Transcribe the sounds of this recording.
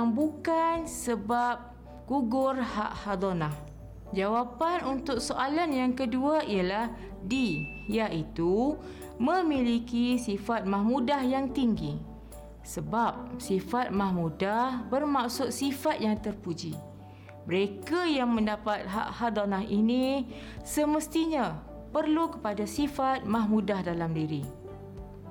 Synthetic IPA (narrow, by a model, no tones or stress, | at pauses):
aŋbukansəbap̚ | ɡ̥uɡʊrha̰ʔhad̪onah | d͡ʒawapanunt̪ʊk̚soʔalanjaŋkəduaijalah | di | jait̪u | mə̃milikisifat̪̚mahmudahjaŋt̪iŋɡi | səbap̚sifat̪̚mahmudahbərmaksʊt̪̚sifat̪̚jaŋt̪ərpud͡ʒi | məɾekajaŋmə̃ndapat̪̚ɦa̰ʔhad̪anahini | səməst̪iɲa | pərlukə̥padasifat̪̚mãhmudahdalamdiɾi